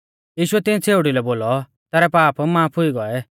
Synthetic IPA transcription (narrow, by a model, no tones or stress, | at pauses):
jiːʃʊɛt̪ɪnt͡sʰeːʊɽilɛboːlɔ | t̪ɛːɾɛpaːpmaːpʰʊiɡɔɛ